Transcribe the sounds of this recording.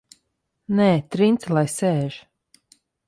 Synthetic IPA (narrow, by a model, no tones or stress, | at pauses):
nɛːt̪ɾint̪slˠajsɛːʒ